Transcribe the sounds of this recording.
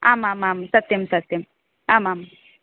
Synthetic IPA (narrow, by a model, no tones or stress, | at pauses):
aːmaːmamsɐk̚t̪emsɐk̚t̪em | aːmam